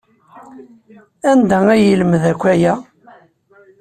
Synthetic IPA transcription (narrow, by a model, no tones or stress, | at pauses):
ænd̪ææjələmðækʷːæjæ